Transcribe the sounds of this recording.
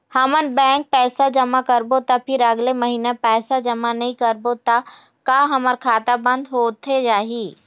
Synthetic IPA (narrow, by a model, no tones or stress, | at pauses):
hɐmənbɛ̃ːŋk̚pɛːsad͡ʒɐmakɐɾbot̪apʰɪɾɐɡlemɐɦiːnapɛːsad͡ʒɐmanɐɦĩkɐɾbot̪a | kaɦɐməɾkʰaːt̪abɐ̃nd̪ɦoːt̪ʰed͡ʒaːɦiː